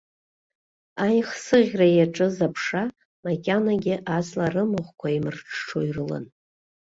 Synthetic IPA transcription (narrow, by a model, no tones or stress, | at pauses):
ajχsɨʁʲrajaʈ͡ʂʼɨzapʰʂa | makʲʼanaɡʲɪʔazʼlarɨmɨʁʷkʷʰaimɨrʈ͡ʂʰʈ͡ʂʰojrɨlɨ̰n